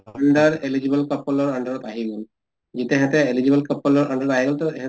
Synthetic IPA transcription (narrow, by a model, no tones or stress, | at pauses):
əɳɖəɾelid͡ʒibəlkəpːɔlɔɾəɳɖəɾɔt̪aɦiɡɔl | d͡ʒit̪eɦat̪eelid͡ʒibəlkəpːɔlɔɾʔəɳɖəɾɔt̪aɦiɡɔlt̪ɔeɦ